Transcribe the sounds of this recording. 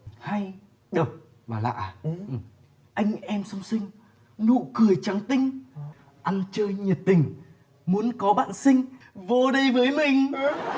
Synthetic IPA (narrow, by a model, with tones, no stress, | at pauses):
ha˧j | ɗə˨˩wk͡p̚ | vaː˨˩la̰ː˧˨˩ | ʔa˧jŋ̟ʔɛ˧msə˧wŋ͡msï˧ŋ̟ | nṵ˧˨kɨ˧˩əjt͡ɕa˨˦ŋt̪ï˧ŋ̟ | ʔa˧nt͡ɕəː˧jɲi˨˩t̚t̪ï˨˩ŋ̟ | mu˨˦ənkɔ˨˦ɓa̰ː˧˨nsï˧ŋ̟ | vo˧ɗə˧jvəː˨˦jmï˨˩ŋ̟